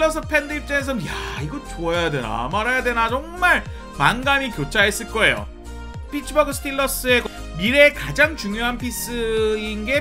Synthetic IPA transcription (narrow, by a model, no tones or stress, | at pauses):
ʌs̬͈ʰɯpʰendɯip̚t͡ɕ͈ʌŋes̬ʰʌʌjaiɡʌt͡ɕoajade̞na̰maɾɦajadwe̞nat͡ɕʌŋmaɾ | manɡamikjot͡ɕʰaes͈ɯɭk͈ʌe̞jo̰ | pʰit͡ɕʰɯbʌɡɯsʰtʰilːʌs͈ɯe̞k | miɾe̞kad͡ʑaŋt͡ɕuŋjoɦanpʰis͈ɯinɡe̞